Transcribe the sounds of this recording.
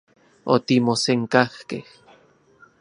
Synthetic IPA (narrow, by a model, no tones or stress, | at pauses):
o̰t̪imoseŋkahkeh